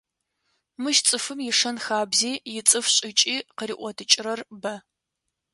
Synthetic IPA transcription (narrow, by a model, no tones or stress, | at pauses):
mɨʃt͡sʼɨfɨmjɪʂɐnxaːbziːjɪt͡sʼɨfɕʼɪt͡ʃʼiːqəɾiːʔʷɔdʰɨt͡ʃʼɪrɐrbɐ